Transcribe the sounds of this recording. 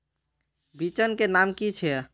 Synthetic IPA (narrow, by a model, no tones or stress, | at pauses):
bit͡ʃənkenamkit͡ʃʰɛ